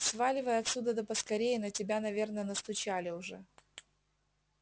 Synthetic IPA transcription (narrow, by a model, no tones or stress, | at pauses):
svalʲɪvəjəɐt̪sʲud̪əd̪əpəskɐɾʲejɪnətʲɪbʲanɐvʲe̞rnəənəst̪ʊt͡ɕalʲɪʊʐɛ